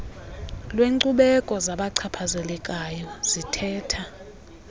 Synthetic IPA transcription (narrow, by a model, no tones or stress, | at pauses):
lweǀuɓɛkʼɔzaɓaǀʰapʰazɛlɛkʼajɔz̥itʰɛːtʰa